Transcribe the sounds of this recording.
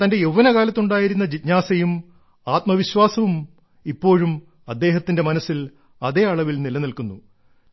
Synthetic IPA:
t̪ɐnde̞jeʋːɐnɐɣaːlɐt̪ːuɳɖaːjiɾun̪ːɐd͡ʑitnaːsɐjum | aːt̪̚mɐʋiɕwaːsɐʋum | ipːo̞ːɻum | ɐd̪ːe̞ːɦɐt̪ːinde̞mɐnɐsːil | ɐðe̞ːɐɭɐʋilnilɐnilkunːu

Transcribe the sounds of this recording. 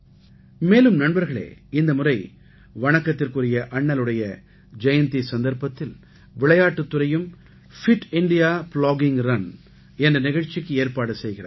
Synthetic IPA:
meːlɯmnɐnbɐɾɣɐɭḛːɪnd̪ɐmʊrɐɪ | ʋɐɳɐkːɐt̪ːɪrkɯrɪjɐʔɐɳːɐlɯɽɐjɐ | d͡ʒɐjɐnt̪isɐnd̪ɐɾpɐt̪ːɪl | ʋɪɭɐjaːʈːɯt̪ːɯrɐjɯm | fɪʈɪɳɖɪjaːpɭoːɡɪŋrɐn | ɛndrɐnɪɣɐɻt͡ʃːɪkːɯeːɾpaːɽɯsɛjɣɪrɐ̰

